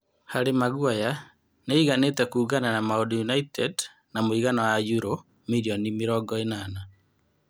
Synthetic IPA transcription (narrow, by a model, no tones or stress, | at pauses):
haɾemaɣwaja | neiɣanetɛkuːɣananamaodjunaitɛd | namoiɣanɔwajuɾo | miɾiɔnimeɾɔːɡɔenana